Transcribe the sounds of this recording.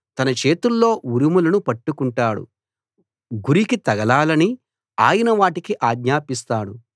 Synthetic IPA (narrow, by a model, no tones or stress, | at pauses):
t̪ɐnɐt͡ʃe̞ːt̪ulːo̞ːuɾimulɐnupɐʈːukuɳʈaːɽṵ | ɡuɾikit̪ɐɡɐlaːlɐni | aːjɐnɐʋaːʈikiʔaːɡɲaːpist̪aːɽu